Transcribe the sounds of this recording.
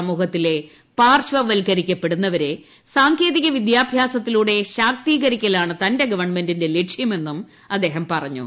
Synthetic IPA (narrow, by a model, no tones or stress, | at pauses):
ɐmuːhɐt̪ːile̞ | paːrɕʋɐʋɐlkɐɾikʲːɐpːe̞ɽunːɐʋɐɾe̞ | saːŋkʰje̞ːðiɣɐʋid̪jaːbʱjaːsɐt̪ːiluːɽe̞ɕaːk̚t̪iːɣɐɾikʲːɐlaːɳɨt̪ɐnde̞ɡɐʋɐrɳme̞ndinde̞leʈʂjɐme̞nːum | ɐd̪ːe̞ːɦɐmpɐrɐɲːṵ